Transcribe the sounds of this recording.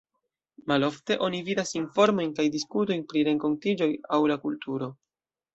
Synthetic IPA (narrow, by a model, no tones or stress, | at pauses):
malo̞fte̞ʔo̞nividasinfo̞ɾmo̞jnkajdiskuto̞jnpɾiɾe̞ŋko̞ntid͡ʒo̞jawlakultuɾo̞